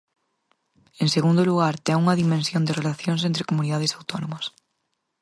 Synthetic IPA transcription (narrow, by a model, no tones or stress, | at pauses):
ẽŋseɣund̪oluɣ̞aɾt̪auŋɐðimẽnsjond̪ɪrelaθjõns̬ent̪ɾɪkomũniðað̞ɪsawt̪ɔnõmɐs